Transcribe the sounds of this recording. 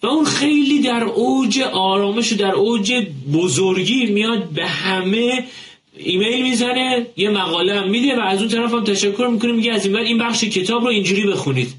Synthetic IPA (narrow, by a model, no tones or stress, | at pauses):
væunxe̞jliːd̪æɾoːd͡ʒe̞ʔɒːɾɒːme̞ʃod̪æɾʔoːd͡ʒe̞bozoɾɟiːmijɒd̪̚be̞hæme̞ | iːmejlmizæne̞jemæɣɒːleæmːiːd̪e̞væːzunt̪ʰæɾæfæmt̪ʰæʃækʰːo̞ɾmikʰo̞nimiɟeæziːnvæliːnbæχʃecʰe̞t̪ʰɒːbɾɔind͡ʒuːɾiːbe̞xuniːd̪̥